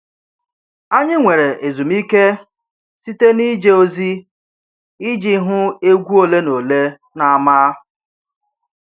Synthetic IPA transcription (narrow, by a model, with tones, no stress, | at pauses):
a˦ɲɪ˦ŋʷe˨ɾe˨ʔe˨zu˨m̩i˦ke˦ | si˦te˦ni˦d͡ʒe˦o˦zi˦ | i˦d͡ʒi˦ɦʊ˦e˦ɡʷu˦o˨le˦no˨le˦ | na˨a˦ma˦